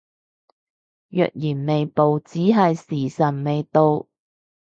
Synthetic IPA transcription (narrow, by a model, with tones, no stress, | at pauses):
jœ̰ː˨k̚jiː˨˩nme˨jpo˨wt͡siː˨˥ɦɐ˨jsiː˨˩sɐ˨˩nme˨jt̪o˧w